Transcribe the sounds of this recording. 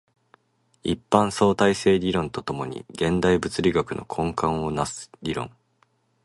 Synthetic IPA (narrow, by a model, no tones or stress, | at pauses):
ḭpːãɰ̃so̞ːt̪aise̞ːɾʲiɾõ̞nt̪ot̪o̞mo̞ɲ̟ḭɡẽ̞nd̪aibɯ̟t͡sɨɾʲiɡakɯ̟no̞̰kʰõ̞ŋkãɰ̃o̞nasɨ̥ɾʲiɾõ̞̰ŋ